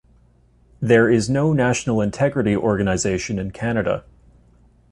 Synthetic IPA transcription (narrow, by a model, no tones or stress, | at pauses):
ðə˞ɪznoʊnæʃn̩l̩ˠɨ̃ntʰɛɡɹɨɾiʔɔɹɡɨnɨzeɪʃɨ̃nɨ̃nkʰænɨɾə̰